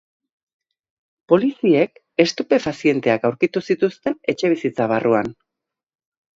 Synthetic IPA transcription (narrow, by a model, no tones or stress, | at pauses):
po̞lisie̞k | e̞st̪upe̞fasie̞nt̪e̞akawɾkit̪usit̪ust̪e̞ne̞t͡ʃe̞βisit͡saβ̞aruan